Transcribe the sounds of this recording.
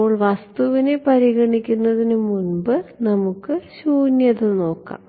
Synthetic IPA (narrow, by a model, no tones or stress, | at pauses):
oːɭʋɐst̪uʋine̞pɐɾiɡɐɳikʲːunːɐðinɨmunbɨnɐmukːɨɕuːnjɐðɨno̞ːkːa̰ːm